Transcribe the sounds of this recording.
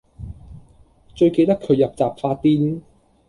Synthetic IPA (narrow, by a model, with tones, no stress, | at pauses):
t͡ʃɵ˧ɥke˧jt̪ɐ˥kʰːɵ˨˧ɥjɐ˨p̚t͡saː˨pfaː˧t̚t̪iː˥n